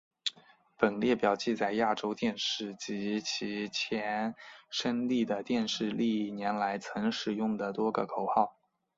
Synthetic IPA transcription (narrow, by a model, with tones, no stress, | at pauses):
pə˨˩nljɛ˥˩pjɑ˨˩ʊt͡ɕi˥˧t͡sa˥˧ɪja˥˩ʈ͡ʂo˥ʊt̪jɛ˥˧nʂɻ̩˥˩t͡ɕi˧˥t͡ɕʰi˧˥t͡ɕʰjɛ˧˥nʂə˥ŋli˥˩d̪ə˩t̪jɛ˥˧nʂɻ̩˥˧li˥˩njɛ˧˥nla˧˥ɪt͡sʰɤ˧˥ŋʂɻ̩˨˩jʊ˥˩ŋd̪ə˩t̪wɔ˥ɡə̰˨˩kʰo˨˩ʊxɑ˥˩ʊ